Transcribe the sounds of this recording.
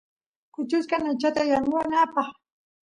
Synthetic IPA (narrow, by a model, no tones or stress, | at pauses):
kʊt͡ʃʊskanat͡ʃat̪ajanʊwanaːpɑχ